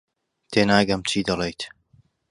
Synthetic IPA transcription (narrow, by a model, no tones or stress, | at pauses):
t̪ʰeːnaːɡɐmt͡ʃʰiːd̪ɐlˠejt̪